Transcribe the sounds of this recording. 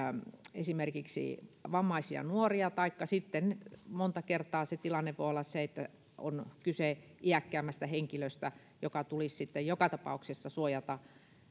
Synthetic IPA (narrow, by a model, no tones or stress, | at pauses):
esimerkiksḭʋɑmːɑisiɑ̰nuoriɑt̪ɑikːɑsit̪ːenmont̪ɑkert̪ˑɑːset̪ilɑnːeʋʋoˑolːɑsseet̪ːæ | o̰nkyseʔiækːæːmːˑæst̪æheŋkiløst̪æ | jokɑt̪ulissit̪ːejokɑt̪ɑpɑ̰uksesːɑsuojɑt̪ɑ